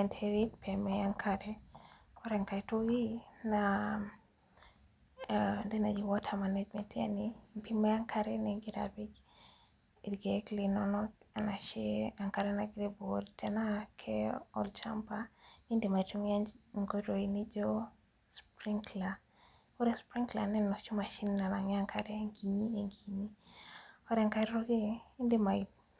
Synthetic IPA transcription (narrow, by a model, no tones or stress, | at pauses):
ɛndheɾipʰemɛaŋkʰaɾɛ | ɔɾɛŋkatoina | ndenad͡ʒiwɔtʰamanɛd͡ʒmɛtja̰nipimɛaŋkʰaɾɛnɛɡɪɾa̰bik | idɡeklinɔnɔanaʃiaŋkaɾɛnaɡɾebolt͡ʃɛnakʰɛɔ̰lt͡ʃampaindemat͡ʃumand͡ʒŋɡoɾoinid͡ʒɔ | spɾiŋkla | oɾɛspɾiŋklanɛnɔt͡ʃumaʃinnanaŋɛaŋkʰaɾɛŋɡiɲieŋɡiɲi | ɔɾaŋkaɾɾoɡendemai